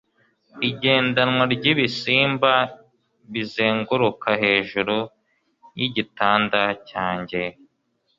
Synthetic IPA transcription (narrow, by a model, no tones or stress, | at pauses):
iɟe̞ːndanŋwaɾɟiβisiːmba | βizeːŋɡuɾukʰahe̞ːʒuɾu | jiɟitaːndacaːɲɟe̞